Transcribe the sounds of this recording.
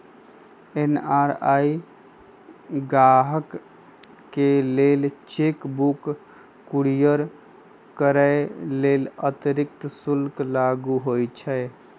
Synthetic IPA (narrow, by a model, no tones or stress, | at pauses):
enaɾai | ɡaɦəkː | elelt͡ʃekbukː | uɽijəɾ | kəɾəlelət̪ɾik̚t̪sulklaɡuɦojt͡ʃʰɛ